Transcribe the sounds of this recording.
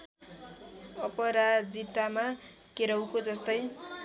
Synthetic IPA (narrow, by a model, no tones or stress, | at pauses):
ʌpʌɾad͡zit̪ama | keɾʌwkod͡zʌst̪ʌj